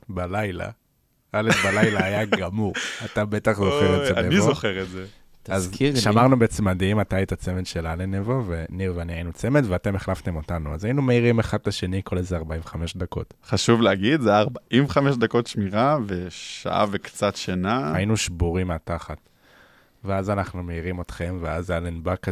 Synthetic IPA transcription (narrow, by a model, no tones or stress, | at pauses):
balajla̰ | alefbalajlaːjaɡamuʁatabe̞taχzoχeʁezeaenviozoχeʁetze | tazkiʃamaʁnubeet͡semadiimatajit̪at͡se̞metʃe̞lalenevovenevaniainut͡se̞me̞tveate̞meχlaft̪e̞mo̞tanua̰zajinumeiʁimeχad̚laʃe̞niko̞lezeaʁbaimvχame̞ʃdako̞̰tχaʃuvleaɡid̪zeaʁbaʔimχameʃd̪ako̞tʃmiʁaveʃa̰ʔa̰vekt͡satʃanaainuʃbuʁimeataχat | veazanaχnume̞iʁimo̞tχe̞mveazalenbak